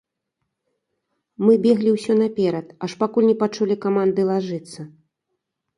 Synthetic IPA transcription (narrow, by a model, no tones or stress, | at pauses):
mɨbʲɛɣlʲiwsʲɔnɐpʲɛɾɐt̪aʂpakulʲnʲɛpat͡ʂulʲikamand̪ɨlˠaʐɨt̪sːɐ